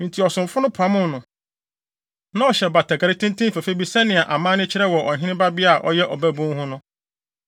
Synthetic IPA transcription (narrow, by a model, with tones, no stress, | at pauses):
tʰi˨ɔ˨sʊ̃˨m˨fʊ˦nʊ̃˦pʰa˦mʊ̃˦nʊ̃˨ | nã˦ɔ˨ɕɛ˨ba˨tʰɛ˨ka˨ɾɪ˦tʰɪ̃˦ntʰĩ˦fe˨fe˦bi˨sɛ˦nɪ̃˨a˨ʔa˨mãː˦nɪ̃˦t͡ɕʰɪ˦ɾɛ˦wɔ˨ɔ˨ɦɪ̃˦nɪ̃˦ba˦bɪ˦a˨ʔɔ̰˦jɛ˦ʔɔ˨bæ˦bʊ̃˦ŋhʊ̃˦nʊ̃˦